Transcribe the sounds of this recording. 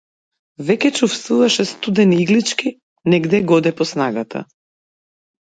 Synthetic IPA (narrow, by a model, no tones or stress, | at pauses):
vɛkɛt͡ʃufst̪uvaʃɛst̪ud̪ɛniiɡlit͡ʃki | nɛɡd̪ɛɡɔd̪ɛpɔsnaɡat̪ʰa̰